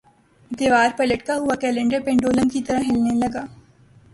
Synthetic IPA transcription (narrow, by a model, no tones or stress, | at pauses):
d̪eːʋaːɾpɐləʈkaɦʊakɛːlẽɳɖəɾpẽːɳɖoːlə̃nkit̪ɐɾəɦɪlnelɐɡaː